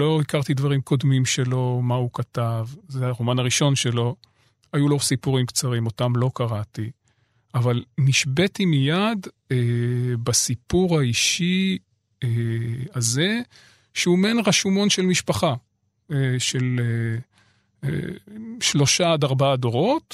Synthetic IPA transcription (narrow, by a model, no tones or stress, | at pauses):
lo̞ikaʁt̪id̪vaʁimkʰo̞d̪mimʃe̞lo̞maukat̪avzeaʁomanaʁiʃo̞nʃe̞lo̞ | ajulosipuʁimkt͡saʁimo̞tamlo̞kaʁati | avalniʃbetimijadebasipuʁhaiʃi | eaze̞ | ʃeumenʁaʃumo̞nʃelmiʃpaχa | eʃe̞le | ʃlo̞ʃad̪aʁbaado̞ʁo̞t